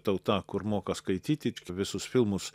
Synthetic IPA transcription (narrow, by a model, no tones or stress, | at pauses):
t̪ɐʊt̪ɑːkʊɾmoːkɐskɐɪt̪ʲiːt̪ʲɪkʲɪʋʲɪsʊsfʲɪlˠmʊs